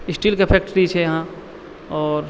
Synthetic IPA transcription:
ɪsʈilkeepʰek̚ʈɾiit͡ʃʰɛjɐɦã | ɔːɾ

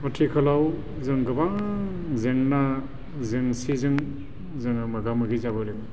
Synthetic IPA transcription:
ɐtʰikʰɐlaw | zɯŋɡɐbaŋ | zeŋna | zeŋsizɯŋ | zɯŋamɐɡamɯɡizabɯɾeŋ

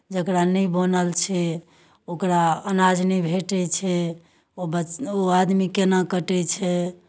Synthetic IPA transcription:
d͡ʒəkɾanɛbənəlt͡ʃʰɛ | okɾaənad͡ʒnɛbʱeʈɛt͡ʃʰɛ | obəoad̪mikenakəʈɛt͡ʃʰɛ

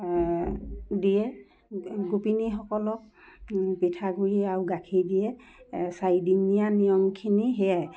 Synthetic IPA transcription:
diɛ | ɡupinixɔkɔlɔk̚ | pitʰaɡuɹiaɹuɡakʰidiɛ | sajdinijanijɔmkʰiniɦeja

